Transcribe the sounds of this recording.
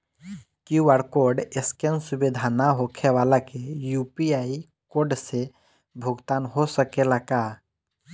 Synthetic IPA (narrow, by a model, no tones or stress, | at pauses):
kuʋəɾkoɾɖeskensubid̪ʱanaɦokʰeʋaːlakejupiaːi | koɾɖse | bʱʊɡt̪aːnɦosəkelaka